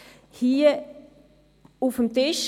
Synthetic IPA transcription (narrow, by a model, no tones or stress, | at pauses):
hiːə | ufəmtɪʃ